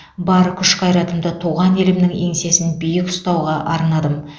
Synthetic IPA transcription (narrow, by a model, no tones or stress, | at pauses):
bɑɾəkʲʰʏʃqɑjɾɑt̪əmd̪ət̪ʰuʁɑne̞lɪmnɪŋe̞̰ŋse̞sɪnbʏjɪkʊ̥st̪ɑwʁɑʔɑɾnɑd̪əm